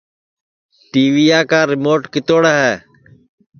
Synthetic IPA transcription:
ʈiːʋiːaːkaːɾɪmoːʈkɪt̪oːɽaːɦɛː

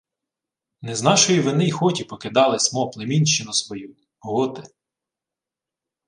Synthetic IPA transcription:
nɛznɑʃɔjiʋɪnɪjxɔtʲipɔkɪd̪ɑlˠɪsmɔplˠemʲinʲʃɪnɔsʋɔju | ɦɔt̪ɪ

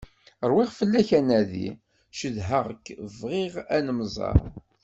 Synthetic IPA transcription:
əɾˤwiʁfəlːæçænæðḭ | ʃəðɦəʁəkːvʁiʁænəmzˤɑ̰ɾˤ

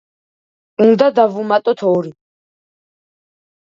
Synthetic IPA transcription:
und̪ad̪avumat̪ʼɔt̪ʰɔːɾi

